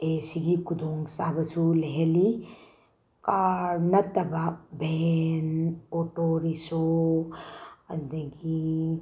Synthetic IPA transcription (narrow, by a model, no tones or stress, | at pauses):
eːsiɡikud̪oːŋɡsaːbɐsuleɦeli | kaːɾnɐt̪ɐbabenoːʈoːɾiso | ɐnd̪ɐɡi